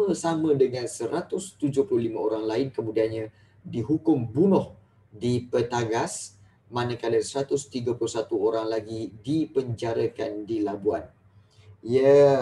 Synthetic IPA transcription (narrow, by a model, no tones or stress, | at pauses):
əsamə̃dəŋansəɾat̪ʊst̪ud͡ʒʊhplʊhlimãoɾaŋlaɪnkəmũdianɲã | diɦukʊmbunʊh | dipət̪aɡas | manəkaləsəɾat̪ʊst̪iɡəpulʊsat̪uoɾaŋlaɡidipəɲd͡ʒaɾəkandilabuan | iə